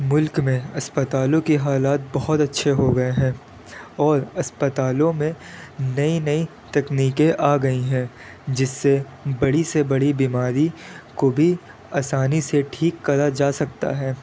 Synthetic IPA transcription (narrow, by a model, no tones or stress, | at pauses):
mʊlkmẽɐspət̪aːlõkiɦaːlaːt̪̚bɐɦɔt̪ɐtːʃʰeɦoɡɐeɦɛ̃ː | ɔːɾɐspət̪aːlõmẽnɐinɐi | t̪ɛkniːkẽʔaːɡɐiɦɛ̃ː | d͡ʒɪsːe | bɐɽisebɐɽibimaːɾikobʱi | aːsaːniseʈʰiːkːɐɾad͡ʒaːsɐkt̪a̰ɦɛː